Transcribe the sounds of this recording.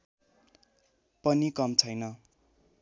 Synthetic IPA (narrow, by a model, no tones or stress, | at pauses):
pʌnikʌmt͡sʰʌjnʌ